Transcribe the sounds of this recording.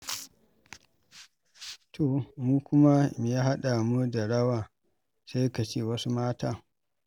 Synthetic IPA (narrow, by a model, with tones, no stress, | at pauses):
tʰo˨muː˦kʷʊ˦ma˦me˨ja˦ɦa˦ɗa˨mu˦da˨ɽɐ˦waː˨ | sa˦jka˨t͡ʃeː˦˨wɐ˦su˦maː˦taː˦